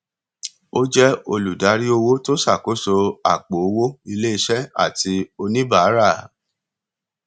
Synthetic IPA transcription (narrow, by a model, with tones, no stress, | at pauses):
o˦d͡ʒɛ˦o˧lu˨da˨˦ɾi˦o˧wo˦to˦sa˦˨ko˨˦so˧a̰˨k͡po˨o˧wo˦i˧le˦i˧ʃɛ˦a̰˦˨ti˧o˧nĩ˦ba˨a˦ɾa˦˨